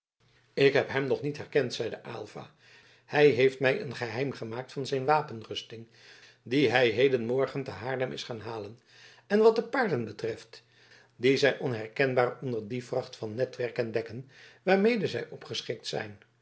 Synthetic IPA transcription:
ɪkɦɛpɦɛmnɔχnitɦɛrkɛntsɛjdəʔa̰lˠv̥a̰ː | hɛjɦejftmɛjʔə̰nχəɦɛjmχəmaːk̚tfɑnzɛjnʋaːpənrɵstɪŋ | diɦɛjɦejdənmɔɹχəntəɦaːɹdəmʔɪsχaːnɦaːlən | ɛnʋɑt̚dəpaːɹdənbətrɛft | dizɛjʔɔnɦɛrkɛnbaːrɔndəɹdivrɑχtfɑnːɛtʋɛɹkəndɛkənʋaːɹmejdəzɛjʔɔpχəsχɪk̚tsɛ̰jn

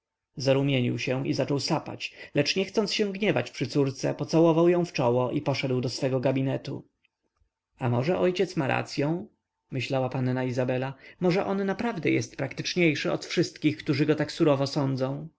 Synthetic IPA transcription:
zaɾumʲjeɲḭwɕɛ̃izat͡ʂɔwsapa̰t͡ɕlɛt͡ʂɲɛxt̪sɔnt̪ɕɛ̃w̃ɡɲɛvat͡ɕpʂɘt̪suɾt̪sɛpɔt̪sawɔvawjɔ̃w̃ft͡ʂɔwɔʔipɔʂɛd̪wd̪ɔsfɛɡɔɡabʲinɛt̪ṵ | amɔʐɛʔɔjt͡ɕɛt̪smaɾʔa̰t̪sʲjɔ̃w̃ | mɘɕlawapannaizabɛlamɔʐɛʔɔnːapɾavd̪ɛjɛst̪̚pɾakt̪ɘt͡ʂɲejʂɘɔ̰t̪fʂɘst̪kʲixkt̪uʐɘɡɔt̪aksuɾɔvɔsɔnd̪zɔ̃w̃

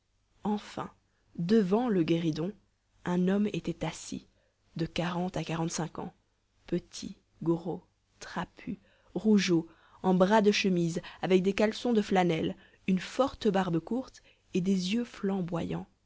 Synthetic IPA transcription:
ɑ̃fɛ̰̃ | d̪əvɑ̃ləɡʲeʁid̪ɔ̃ | ɛ̃nɔmet̪ɛt̪asḭ | d̪əkaʁɑ̃t̪akaʁɑ̃t̪sɛ̃kɑ̰̃ | pət̪ʰḭ | ɡʁo | t̪χapʰy | ʁuʒo | ɑ̃bʁad̪əʃəmizavɛk̚d̪ekalsɔ̃d̪əflanɛl | ynfɔʁt̪əbaʁbkuʁt̪ | ed̪ezjøflɑ̃bwajɑ̃

